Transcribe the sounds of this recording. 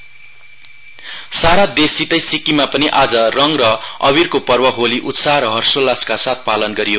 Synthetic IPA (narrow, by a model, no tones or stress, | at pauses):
saɾad̪esit̪ʌjsikimapʌniʔad͡zʌrʌŋrʌʌ̰βirkopʌrbʌɦoliʔut̪saɾʌɦʌrsolaskasat̪̚ʰpalʌnɡʌɾijo